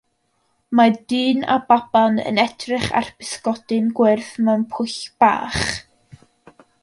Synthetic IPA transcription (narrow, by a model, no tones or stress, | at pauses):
madɨːna̰bab̥anə̰nɛdrɪχa̰rb̥ɪskɔd̥ɨnɡwɪrθmanpʰʊɬb̥a̰ːχ